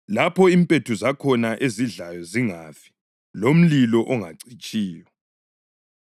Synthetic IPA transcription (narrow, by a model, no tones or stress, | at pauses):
lapʰɔimpʼetʰuzakʰɔnaʔeziɮajɔziŋafi̥ | lom̩lilɔʔɔŋa̰ǀit͡ʃʼiːjɔ